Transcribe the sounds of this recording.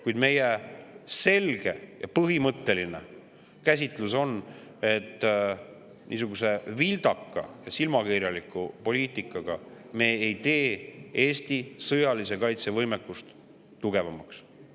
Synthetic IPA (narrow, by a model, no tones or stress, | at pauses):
kujd̪me̞jese̞lɡ̥e̞̰jɑ̰pɤɦimɤt̪ːe̞line̞̰ | kæs̬ʲit̪luso̞n | e̞t̪ː | nḭːs̬uɡ̥use̞vild̪ɑkːɑ̰jɑsilmɑkiɾjɑlikːˑupo̞lʲiːt̪ˑikːˑɑɡ̥ɑ | me̞ːejt̪e̞ːeːst̪isɤjɑlis̬e̞kɑjt̪se̞vɤjmekːˑust̪ː | uɡe̞vɑmɑks